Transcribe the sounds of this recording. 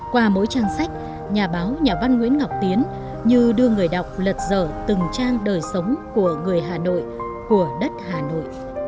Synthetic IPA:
kwaː˧mo̰˧˦˥jt͡ɕaː˧ŋsa˦˥jk̟̚ | ɲaː˨˩ɓaː˨˦wɲaː˨˩va˧nŋwḭ˧˥ənŋa˨˩wk͡p̚t̪i˨˦ən | ɲɨ˧ɗɨ˧əŋɨ˨˩əjɗa˨˩wk͡p̚lə˨˩t̚zəː˧˩t̪ɨ˨˩ŋt͡ɕaː˧ŋɗəː˨˩jsə˨˦wŋ͡mku˧˩əŋɨ˨˩əjɦaː˨˩no̰˧˨j | ku˧˩əɗə˦˥t̚haː˨˩no̰˧˨jʔ

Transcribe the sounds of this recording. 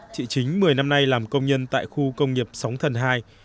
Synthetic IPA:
t͡ɕḭ˧˨t͡ɕï˨˦ŋ̟mɨ˨˩əjna˧mna˧jlaː˨˩mkə˧wŋ͡mɲə˧nt̪a̰ː˧˨jxu˧kə˧wŋ͡mŋi˨˩əp̚sa˨˦wŋ͡mt̪ʰə˨˩nɦaː˧j

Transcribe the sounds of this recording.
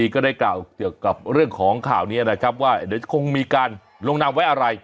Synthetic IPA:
iː˧kɔː˥˩daː˥˩jklaː˨˩wki˨˩əwka˨˩p̚ɾɯ˥˩əŋkʰɔː˩˦ŋkʰaː˨˩wniː˥˩ɐna˦˥kʰɾa˦˥p̚waː˥˩ni˦˥˩kʰo˧ŋmiː˧kaː˧n | lo˧ŋna˧mwa˦˥jʔa˧ɾa˧j

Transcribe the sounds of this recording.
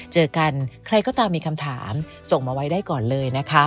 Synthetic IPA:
t͡ɕɤː˧ka˧nkʰɾa˧jkɔː˥˩t̪aː˧mːiː˧kʰa˧mt̪ʰaː˩˦m | so˨˩ŋmaː˧wa˦˥jdaː˥˩jkɔː˨˩nlɤː˧jna˦˥kʰa˦˥

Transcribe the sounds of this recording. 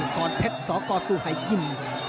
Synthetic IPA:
kɔː˧t̪ʰe˦˥t̪̚sɔː˨˦kɔː˧˩suː˧˩ha˨˩jːi˧˩m

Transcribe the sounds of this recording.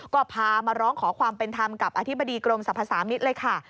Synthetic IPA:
kɔː˥˩pʰaː˧maː˧ɾɔː˦˥ŋkʰɔː˩˦kʰwaː˧mpe˧nt̪ʰa˧mka˨˩p̚ʔaː˧t̪ʰi˦˥˩ba˧diː˧kɾo˧msa˨˩˦pʰːaː˧saː˩˦mi˦˥t̪̚lɤː˧jkʰa˥˩

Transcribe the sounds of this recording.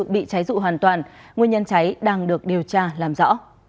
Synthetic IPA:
ɨ̰˧˨ɓḭ˧˨t͡ɕa˨˦jzṵ˧˨ɦwaː˨˩nt̪waː˨˩nŋwəɲə˧nt͡ɕa˨˦jɗaː˧ŋɗɨ˨˩ək̚ɗi˨˩əwt͡ɕaː˧laː˨˩mzɔ̰˧˥

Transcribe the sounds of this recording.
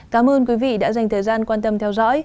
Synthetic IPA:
kaː˨˦mʔəː˧nkwi˨˦vḭ˧˨ɗa̰ː˧˥za˨˩ŋ̟t̪ʰəː˨˩jzaː˧nkwaː˧nt̪ə˧mt̪ʰɛ˧wzɔ̰˧˥j

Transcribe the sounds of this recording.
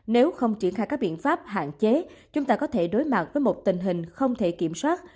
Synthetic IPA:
ne˨˦wxə˧wŋ͡mt͡ɕi˧˩əŋxaː˧˩jkaː˦˥k̚ɓḭ˧˨ənfaː˦˥p̚ha̰ː˧˨nt͡ɕe˨˦t͡ɕʊ˨˦ŋ͡mt̪aː˧kɔ˨˦t̪ʰe˧˩ɗo˨˦jma˨˩t̚vəː˨˦jmo˨˩t̚t̪ï˨˩ŋ̟ɦï˨˩ŋ̟xə˧wŋ͡mt̪ʰe˧˩ki˧˩əmswaː˦˥t̚

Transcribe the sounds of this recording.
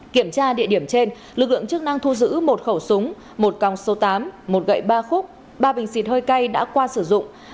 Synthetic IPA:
ki˧˩əmt͡ɕaː˧ɗḭ˧˨ɗi˧˩əmt͡ɕe˧n | lɨ˨˩k̚lɨ̰˧˨əŋt͡ɕɨ˦˥k̚na˧ŋt̪ʰu˧zɨ̰˧˥mo˨˩t̚xə˧˩wsʊ˨˦ŋ͡m | mo˨˩t̚ka˨˩wŋ͡mso˨˦t̪aː˨˦mmo˨˩t̚ɣə̰˧˨jɓaː˧xʊ˦˥k͡p̚ | ɓaː˧ɓï˨˩ŋ̟si˨˩t̚həː˧jka˧jɗa̰ː˧˥kwaː˧sɨ˧˩zʊ̰˧˨ŋ͡m

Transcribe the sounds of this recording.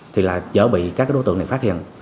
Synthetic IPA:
t̪ʰi˨˩laː˨˩t͡ɕə̰ː˧˦ɓḭ˧˨kaː˧˦˥kaː˦ɗo˨˦t̪ɨ̰˧əna˨˩faː˦˥t̚hḭ˧˨ən

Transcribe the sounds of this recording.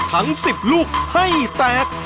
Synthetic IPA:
t̪ʰa˦˥ŋsi˨˩p̚luː˥˩k̚ha˥˩jt̪ɛː˨˩k̚

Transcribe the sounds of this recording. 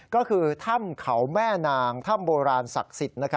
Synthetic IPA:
kɔː˥˩kʰɯː˧t̪ʰa˥˩mkʰa˩wmɛː˥˩naː˧ŋt̪ʰa˥˩mboː˧ɾaː˧nsa̰˨˩k̚si˨˩t̪̚na˦˥kʰa˦˥

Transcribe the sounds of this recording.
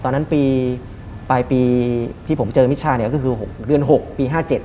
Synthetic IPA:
t̪ɔː˧nːa˦˥npiː˧ | pa˧jpiː˧t̪ʰiː˥˩o˩˦mt͡ɕɤː˧mi˦˥t̪̚ʰaː˥˩ni˥˩kɔː˥˩kʰɯː˧ɦo˨˩k̚dɯ˧ənɦo˨˩k̚piː˧ɦaː˥˩t͡ɕe˨˩t̪̚

